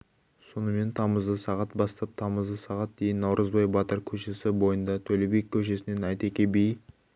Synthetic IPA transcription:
so̞nəme̞nt̪ʰɑməzd̪əsɑʁɑt̪̚bɑst̪ɑp̚t̪ʰɑməzd̪əsɑʁɑt̪̚d̪e̞jɪnːɑwɾʔəzbɑjbɑt̪əɾkʲʰɵʃe̞sɪbo̞jənd̪ɑt̪ʰɵlebe̞kʲʰːɵʃ̬e̞sɪne̞nɑjt̪e̞kʲe̞bej

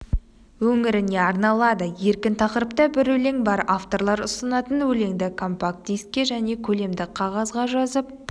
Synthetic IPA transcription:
wɵŋɪɾɪne̞ɑɾnɑlˠɑd̪əje̞ɾkʲɪnt̪ʰɑqəɾəpt̪əbɪɾwɵle̞ŋbɑɾaft̪o̞ɾlˠɑɾʊsənɑt̪ənwɵle̞ŋd̪ɪkʰo̞mpak̚t̪ijs̚kʲe̞ʒæne̞kʲʰɵle̞md̪ɪqʰɑʁɑzʁɑʒɑzəp̚

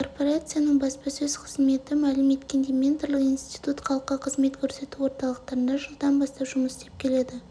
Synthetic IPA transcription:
o̞rpo̞ɾat̪sɨjanəɴbɑspɑsɵz̥qʰəzme̞t̪ɪmælɪme̞t̪kʲe̞nd̪e̞jmʲe̞nt̪rlˠəqinst̪i̥t̪ut̪χʰɑlˠəqːɑqʰəzme̞t̪kʰʲɵɾse̞t̪uwo̞ɾt̪ɑlˠəq̚t̪ɑɾənd̪ɑʒəlˠd̪ɑnbɑst̪ɑpʒ̥ʊməsd̪̥e̞p̚kʲʰe̞le̞d̪ɪ

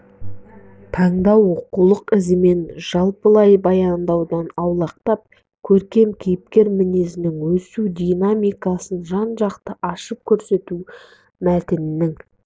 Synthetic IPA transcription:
t̪ʰɑɴd̪ɑwoqulˠəqɪzɪme̞nʒ̥ɑlˠpəlˠɑjbɑjɑnd̪ɑwd̪ɑnɑwlˠɑq̚t̪ɑp̚ | kʲʰɵɾkʲe̞mkʲʰijɪp̚kʲe̞ɾmɪnezɪnɪŋwɵsud̪ijnamijkɑsənʒɑnʒɑqt̪əʔɑʃəp̚kʲʰɵɾse̞t̪u | mæt̪ɪnɪnɪŋ

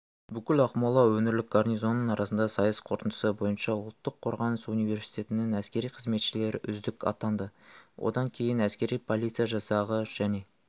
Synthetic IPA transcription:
bʏkʲɪlɑqmɑlˠɑwɵmɪɾlɪk̚ɡarnizo̞nːənɑɾʔɑsənd̪ɑsɑjəsqʰo̞ɾt̪ənd̪əsəbo̞jənʃɑʊlˠt̪ːəqʰːoɾʁɑnəsunijve̞ɾsi̥jt̪e̞t̪ɪnɪŋæskʲe̞ɾijqʰəzme̞t̪ʃɪle̞ɾɪʔʏ̰zd̪ɪkʲɑ̰t̪ɑnd̪əwʔo̞̰d̪ɑŋkʲʰe̞jɪnæskʲe̞ɾijpʰo̞lˠit̪sɨjaʒɑsɑʁəʒ̥æne̞

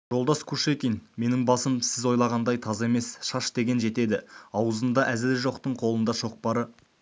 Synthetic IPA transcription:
ʒ̥o̞lˠd̪ɑskʰuʃe̞kʲenme̞nɪŋbɑsəmsɪzwo̞jlˠɑʁɑnd̪ɑjt̪ʰɑzɑe̞me̞sʃɑʃd̪e̞ɡʲe̞nʒe̞t̪e̞d̪ɪɑwəzənd̪ɑʔæzɪlʒo̞qt̪əɴqʰo̞lˠənd̪ɑʃo̞q̚pɑɾə

